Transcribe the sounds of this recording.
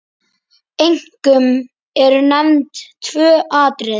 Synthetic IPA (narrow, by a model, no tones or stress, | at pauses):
ejŋ̥kʏm | ɛɾʏnɛmnt̪ʰvœːʔaːt̪ɾɪð